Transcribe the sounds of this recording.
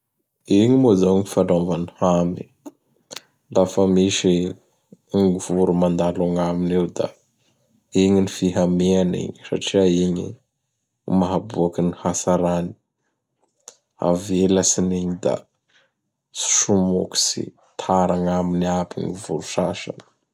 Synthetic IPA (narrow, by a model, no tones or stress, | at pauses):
iɲimozaɲifaɳɖ͡ʐamvanihami | lafəmiʃi | ŋuv̥uɾumand̪alaŋaminewd̪a̰ | iɲinifiɦameanḭɲi̥sa̰ʈ͡ʂiaiɲḭ | maɦabuakinihasaɾani̥ | a̰velasiniɲid̪a̰ | si̥ʃumoki̥sḭ | t̪ʰaɾaŋaminiabḭŋuvuɾuʃaʃa̰n̥